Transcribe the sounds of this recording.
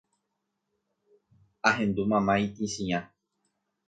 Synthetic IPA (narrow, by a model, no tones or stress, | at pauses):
aɦẽ̞nd̪umãmãit̪ĩsĩã